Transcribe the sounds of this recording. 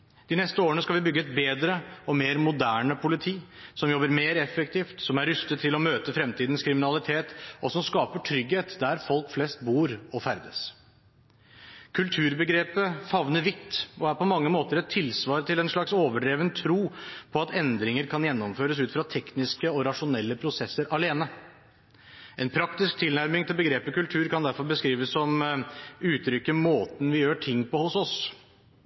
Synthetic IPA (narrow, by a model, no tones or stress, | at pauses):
d̪̥ɪnɛst̪əoːɾəɳəskɑlʋɪbʏɡːəɛt̪beːd̪ɾəɔmeːɾmʊd̪æːɳəpʰʊlɪt̪ʰiːsɔmjɔbːəɾmeːɾɛfɛk̚t̪ʰiːft̪sɔmæɾʏst̪ət̪ʰːɪlɔmøːt̪əfɾɛmt̪ʰiːd̪ən̩skʰɾɪmɪnɑlɪt̪ʰeːt̪ɔsɔmskɑːpəʈʰɾʏɡheːt̪d̪æɾfɔlkflɛst̪̚buːɾɔfæɾd̪əs | kʰʉlt̪ʰʉːɾbəɡɾeːpəfɑʋnəɾʋɪt̪ːʔɔæɾpɔmɑŋːəmoːt̪əɾɛt̪ʰːɪlsʋɑːɾt̪ɪlɛnʂɭɑksoːʋəɖeːʋənt̪ʰɾuːpʰɔɑt̪ɛnd̪ɾɪŋəɾkʰɑnjɛnːɔmføːɾəs̬ʉːt̪fɾɑt̪ʰɛknɪskəɔɾɑʂʊnɛlːəpʰɾʊsɛsːəɾʔɑleːnə | ʔɛnpʰɾɑkt̪ɪsk̚t̪ʰɪlnæɾmɪŋt̪ɪlbəɡɾeːpəkʉlt̪ʰʉːɾkɑnd̪æɾfɔɾbəskɾiːʋəsːɔm | ʉːt̪ʰɾʏkːəmoːt̪n̩ʋɪjøːʈʰɪŋːpʰɔhʊsɔs